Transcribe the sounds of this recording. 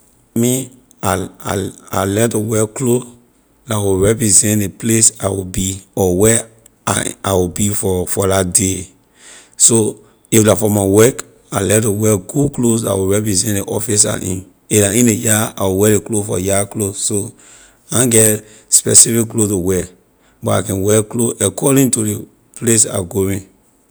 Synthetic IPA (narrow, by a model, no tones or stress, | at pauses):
mi | aaa̰lɛtuwɛklo | lawiɹɛpɹizɛ̃tleplesa̰wibiɔwɛ | a̰awibifɔfɔlatde | so | iflafɔmawɛk | alɛtuwɛɡuklosa̰wiɹɛpɹizɛ̃ntleʔɔfisa̰ʔḭ̃n | iaĩnejaa̰wiwɛleklofɔ̰jakloso | ãɡɛt | spɛsifikklotuwɛ | bɔta̰kɛ̃nwɛkloʔɛkʰɔɾĩtude | plesa̰ɡoɹĩn